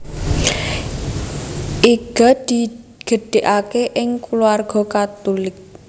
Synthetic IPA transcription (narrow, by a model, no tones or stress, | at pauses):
ʔiɡ̥a̤d̪̥i | ɡ̥ə̤ɖ̥e̤ʔakeʔɪŋkuluarɡ̥ɔ̤kat̪ulɪk̚